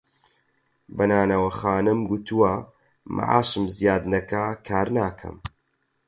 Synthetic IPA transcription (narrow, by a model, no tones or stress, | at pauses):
bɐnaːnɐwɐxaːnɨmɡut̪ʰuwɐ | mʔa̰ʔa̰ːʃɨmzijaːd̪nɐkakʰaːɾnaːkʰɐ̰m